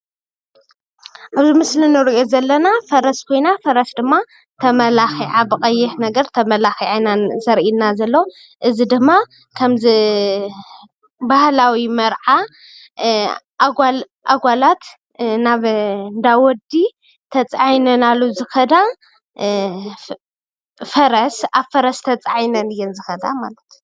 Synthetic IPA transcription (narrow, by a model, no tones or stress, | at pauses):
ʔaβzimɨslinɨɾʔozɐlːɐnafɐɾɐskʰo̞jnafɐɾɐsd̪ɨmːa | t̪ʰɐmɐlaxiʕabɨχʼɐjːɪħnɐɡɐɾt̪ʰɐmɐlaxiʕajnazɐɾinazɐlːo | ʔɨzid̪ɨmːa | kʰɐmzɨ | bahlawimɐɾʕa | ʔaɡal | ʔaɡʷalat̪ | naβd̪awɔd̪i | t̪ʰɐt͡sʼajnɐnalːuzɨxɐd̪a | fɐɾɐsaβfɐɾɐst̪ʰɐt͡sʼajnɐnɨjːɛnzɨxɐd̪a̰malɐt̪